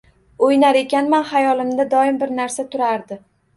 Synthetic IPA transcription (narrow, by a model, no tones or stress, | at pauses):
ojnaɾe̞kʲanmanhajɒlɪmd̪ad̪ɒɪmbɪɾnaɾsat̪ʰʊɾaɾd̪ɪ